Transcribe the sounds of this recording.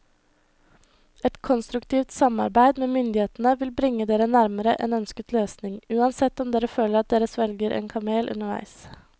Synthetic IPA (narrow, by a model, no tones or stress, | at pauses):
ɛt̪kʰɔnst̪ɾʉkt̪ʰiːʋt̪sɑmɑ̰ɾbæɪd̪meːmʏnd̪ɪheːt̪nəʋɪlbɾɪŋːəd̪eːɾənæɾməɾəʔɛ̰nœnskət̪løːsnɪŋʉːɑnsɛt̪ːɔmd̪eːɾəføːləɾɑt̪̚d̪eːɾəsʋɛlɡəɾʔḛːnkʰɑmeːlʔʉ̰nəɾʋæ̰ɪs